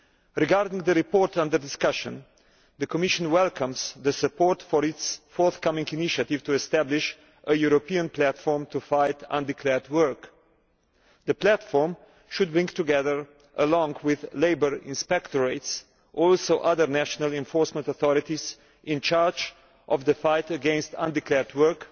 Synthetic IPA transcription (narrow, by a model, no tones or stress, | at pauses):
ɾɪɡaɾdɪ̃ŋɡd̪əɾipɔɹtãnd̪əɾdɪskaʃə̰̃n | ðəkɔmɪʃə̃nwɛlˠkʰə̃mz̥ðəsəpɔɹtfɔɹɪtsfɔɹθkʌmɪ̃ŋɡiniʃat̪ɪv̥tuɛst̪æblɪʃ | ʔəjuɾɔpiə̃nplætfɔɹmtufaɪtʰã̰ndɪkʰlɛɹdwɜ˞k | ðəplætfɔɹm | ʃʊd̪̚bɹɪ̃ŋɡt̪uɡɛðə˞ | ʔə̰lɔ̃ŋɡwɪðleɪbəɹɪ̃nspɛkt̪ɔɹeɪts | ʔɔlsoʊʔaðə˞næʃənalɛ̃nfɔɹsmə̃ntɔθɔɾɪt̪iz | ʔɪ̃nt͡ʃaɹd͡ʒ | ʔɔvðəfaɪtəɡɛ̃nstã̰ndɪklɛɹdwɜ˞k